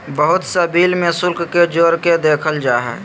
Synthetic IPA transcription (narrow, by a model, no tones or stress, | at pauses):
bəɦʊt̪səbiːlmẽsʊlkked͡ʒoːɾked̪eːkʰəld͡ʒaːɦɛ̰ː